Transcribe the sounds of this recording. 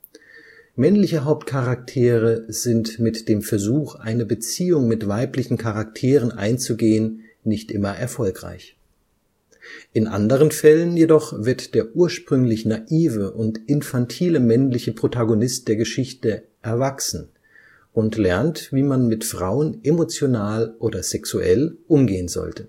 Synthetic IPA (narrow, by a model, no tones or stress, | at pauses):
mɛnlɪçəɦaʊp̚t̚kʰaʁak̚tʰeːʁəz̥ɪntmɪtd̥eːmfɛɐzuːxʔa̰ɪnəbət͡siːʊŋmɪtv̥aɪplɪçn̩kʰaʁak̚tʰeːʁ̞ənʔa̰ɪnt͡suɡeːən | nɪçtʔɪmɐʔɛɐfɔlkʁ̥a̰ɪç | ʔɪnʔa̰ndəʁ̞ənfɛlənjedɔχv̥ɪɐtd̥eːɐʔuːɐʃpʁ̥ʏŋlɪçnaʔiːvəʔʊntʔɪnfantʰiːləmɛnlɪçəpʁ̥otaɡonɪst̚d̥eːɐɡəʃɪçtə | ʔɛɐvaksn̩ | ʔʊntlɛɐntv̥iːmanmɪtfʁ̥aʊənʔemot͡sjonaːlʔoːdɐzɛksuʔɛ̰lʔʊmɡeːənzɔ̰ltʰə̥